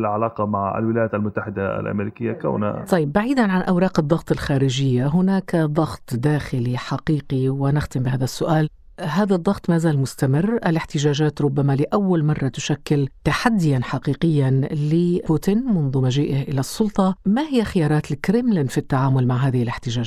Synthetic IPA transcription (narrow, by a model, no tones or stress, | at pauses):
lʕalɑːqɑmaʕa̰lwɪlajaːt̪almʊt̪ːaħɪd̪aʔa̰lʔa̰meɾikɪjːaka̰wna̰t̪ˤːɑjːɪbːaʕiːd̪anʕanʔawɾˤɑːqɨd̪ˤːɑɣt̪ˤɪlxaːɾɪʒɪjːaɦʊnaːkd̪ˤɑɣt̪ˤd̪aːxɪliħaqiːqiwɪnɪxt̪ɪmbɪhaːðasːʊʔaːl | ɦaːðad̪ˤːɑɣt̪ˤmaːzaːlmʊst̪amɪrːʔalɪħt̪ɪʒaːʒaːt̪ɾˤʊbːamalɪʔawːalmɑrˤːɑt̪ʊʃakːɪlt̪aħad̪ːɪjanħaqiːqɪjːanlɪpuːt̪ɪnmʊnðˤʊmaʒiːʔɪhʔɪlasˤːʊlt̪ˤɑmahɪjːaxɪjɑːɾˤɑːt̪lkɾɪmland̪fit̪ːaʕaːmʊlmaʕɦaːðɪhɪlɪħt̪ɪʒaːʒ